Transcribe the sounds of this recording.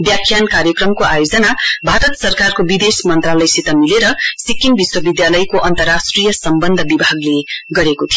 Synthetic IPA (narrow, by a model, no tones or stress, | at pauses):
bjakʰːjankaɾjʌkrʌmkoajod͡zʌnabʱaɾʌt̪sʌrkarkobid̪esmʌnt̪ralʌjsit̪ʌmileɾʌsikːinbiswʌbid̪jalʌjkoʔʌnt̪ʌrasʈrijʌsʌmbʌnd̪ʱʌbibʱaɡleɡʌɾekot̪ʰijo